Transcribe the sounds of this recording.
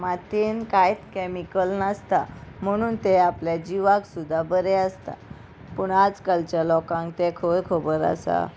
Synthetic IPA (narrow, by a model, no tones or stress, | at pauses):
mat̪inkajt̪kɛmikəlnast̪am̤əɽ̃uːnt̪eapljad͡ʑiʋaksud̪ʱːabəɾɛəst̪a̰ | puːɳad͡zkalt͡ɕjalɔkãŋkt̪ɛkʰoɾkʰobəɾa̰sa̰